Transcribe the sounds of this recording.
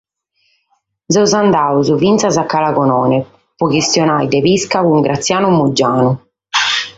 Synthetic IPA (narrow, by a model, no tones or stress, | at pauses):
zɛwzand̪aːuzuvint̪sazakːalakɔnɔːnɛ | pɔkist̪jɔnajd̪ɛβiskakuuŋɡɾʔat̪sːjaːnumud͡ʒːaːnu